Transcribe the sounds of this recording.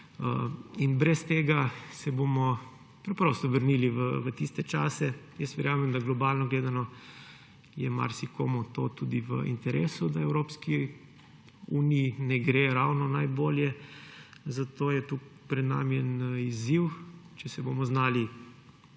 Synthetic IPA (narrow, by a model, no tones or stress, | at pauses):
əinbɾɛst̪eːɡasɛbomɔ | pɾɛpɾost̪ɔʋəɾniliʋəʋət̪ist̪ɛt͡ʃaːsɛjəst̪ʋɛɾjaːmɛmd̪aɡlɔbalnɔɡleːd̪anɔ | jɛma̰ɾsikoːmɔt̪oːt̪ud̪iʋə̰ʔḭnt̪ɛɾʔeːsud̪aɛwɾoːpski | uːniːnɛɡɾeɾawnɔnajboːljɛ | zat̪oːjɛt̪upɾɛd̪na̰ːmiɛniziwt͡ʃɛsɛbomɔznaːli